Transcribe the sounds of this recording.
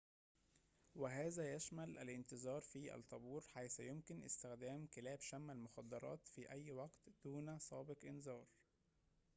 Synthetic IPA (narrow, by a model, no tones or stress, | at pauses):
wɪɦæːzæjæʃmælʔæ̰lʔɪnt̪ɨzˤɑːɾˤfiːʔæ̰lt̪ˤːɑbuːɾħajsæjʊmkɪnʔɪ̰st̪ɪxd̪æːmkɪlæːbʃæmːælmʊxɑd̪ːɑɾˤɑ̰ːt̪fiːʔæjːwɑɡt̪d̪̥uːnæsˤɑːbɪqʔɪnzɑːɾˤ